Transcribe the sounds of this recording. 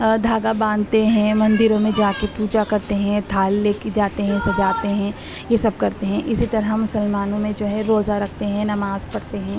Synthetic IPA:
d̪ʱaːɡabãːnd̪t̪eɦɛ̃mɐ̃nd̪ɪɾõmẽd͡ʒaːkepuːd͡ʒakɐɾt̪eɦɛ̃t̪ʰaːlːeːked͡ʒaːt̪eɦɛ̃sɐd͡ʒaːt̪eɦɛ̃ː | jesɐb̚kɐɾt̪eɦɛ̃ʔɪsit̪ɐɾɦmʊsəlmaːnõmẽd͡ʒoːɦɛɾoːzaɾɐkʰt̪eɦɛ̃nɐmaːzpɐɽt̪eɦɛ̃ː

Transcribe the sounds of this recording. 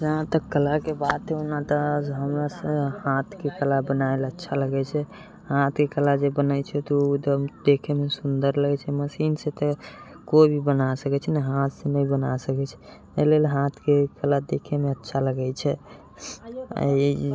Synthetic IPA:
d͡ʒəɦãt̪əkːəlakebad̪̚t̪ʰeunat̪əɦəmɾasə̃hat̪ʰkekəlabənaelətːʃʰaləɡɛt͡ʃʰɛ | hat̪ʰkekəlad͡ʒebənəjt͡ʃʰɛt̪ɔud̪əd̪ekʰemesund̪əɾləɡɛt͡ʃʰɛməsinsẽt̪ə | kobʱibənasəkɛt͡ʃʰɛnɛɦat̪senəjbənasəkɛt͡ʃʰɛ̥ | əlelɦat̪ʰkekəlad̪ekʰemeətːʃʰaləɡɛt͡ʃʰɛ | ə̰i

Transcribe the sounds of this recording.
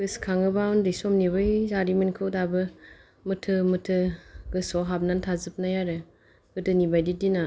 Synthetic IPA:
ɡɯskʰaŋɯbawndɯsɔmnibɯjzaɾimɯnkʰɯwdabɯ | mɯtʰɯmɯtʰɯɡɯsɔɦap̚nantʰazɯp̚najaɾɯ | ɡ̥ɯtɯnibajdidina

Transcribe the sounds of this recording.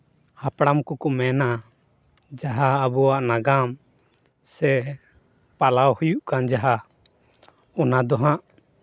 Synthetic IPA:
hapɽamkɔkɔmɛna | d͡ʒaɦaːbɔwaʔnaɡam | sɛ | palawhujuʔkand͡ʒaɦa | ɔnad̪ɔɦãʔ

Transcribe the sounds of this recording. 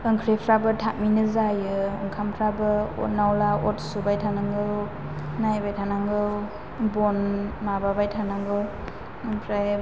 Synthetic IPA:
ɯŋkʰɾepʰɾabɯtʰak̚minɯzajɯɯŋkʰampʰɾabɯɔ̰t̚nawlaɔt̚subajtʰanaŋɡɯw | najbajtʰanaŋɡɯw | bonmababajtʰanaŋɡɯw | ɯŋpʰɾa

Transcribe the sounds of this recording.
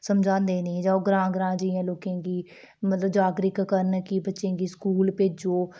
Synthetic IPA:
səmd͡ʒãːnd̪eːnĩːd͡ʒaːoːɡɾãːɡɾãːd͡ʒɪãːloːkẽːɡiː | mət̪ləbd͡ʒaːɡɾɪkkəɾnkibətːʃẽːɡiːskuːlpeːd͡ʒoː

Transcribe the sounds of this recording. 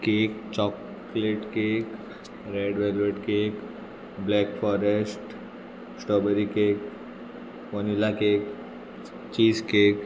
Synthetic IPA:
kekt͡ɕɔk | leʈkek | ɾeɖʋɛlʋeʈkek | blɛkfɔɾesʈ | sʈəbəɾikek | ʋənilakek | t͡ɕiːskek

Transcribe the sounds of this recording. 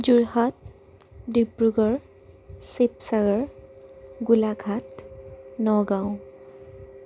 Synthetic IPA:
d͡ʒuɹhat̚ | dibɹuɡɔɹ | sepsaɡɔɹ | ɡulaɡʰʱat | nɔɡãw̃

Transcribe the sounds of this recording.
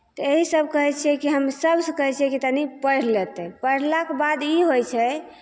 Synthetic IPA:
t̪ɔeɦisəb̚ʱkəɦɛt͡ʃʰɛkiɦəmsəbsə̃kəɦɛt͡ʃʰijɛ̃kit̪anipəɽ̤let̪ɛpəɽ̤lakebad̪iɦojt͡ʃʰɛ

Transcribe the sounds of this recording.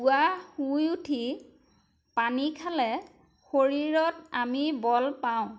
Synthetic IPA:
uahujutʰi | panikʰalɛ | xoɹiɹɔtamibɔlpaʊ̃

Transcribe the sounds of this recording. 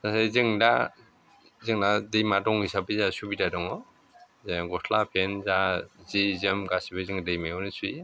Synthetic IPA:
asazɯŋda | zɯŋnadɯjmadɔŋisabɯzasubidadɔŋɔ | zeɡɔsʰlapʰenzazizɯmɡasibazɯŋdɯjmajɔnisʰui

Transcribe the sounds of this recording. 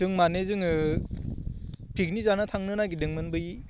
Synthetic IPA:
d̥ɯŋmanezɯŋɯ | pʰiknizanatʰaŋnɯnaɡidɯŋmɯnbɯj

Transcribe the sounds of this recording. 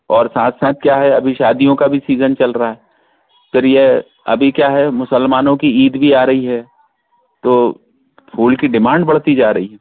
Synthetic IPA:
ɔːɾsaːt̪ʰsaːt̪̚kjaːɦɛɐbʱiʃaːd̪ijõkabʱisiːzənt͡ʃɐlɾaɦaɦɛ | pʰɪɾje | ɐ̰bʱikjaːɦɛmʊsəlmaːnõkiiːd̪bʱiaːɾɐɦiɦɛː | t̪oː | pʰuːlkiɖɪmãːɳɖ̚bɐɽ̤t̪id͡ʒaːɾɐɦiɦɛː

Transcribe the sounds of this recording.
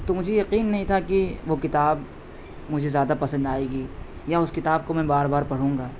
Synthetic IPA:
t̪omʊd͡ʒʱejɐqiːnːɐɦĩt̪ʰakiʋokɪt̪aːb | mʊd͡ʒʱezjaːd̪apɐsə̃nd̪aːeːɡiː | jaʊskɪt̪aːb̚komɛ̃baːɾbaːɾpɐɽ̤ũːŋɡaː

